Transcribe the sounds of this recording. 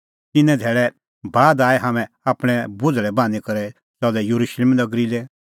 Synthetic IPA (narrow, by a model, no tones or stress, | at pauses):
t̪ɪnɛ̃d̪ʱeːɭɛ | baːd̪aːɛɦaːmɛ̃ | aːpɽ̃ɛ̃bʊdɾɛbãːnikɐɾɛ | sɔːd̪ɛjɐɾuʃleːmnɐɡɾilɛ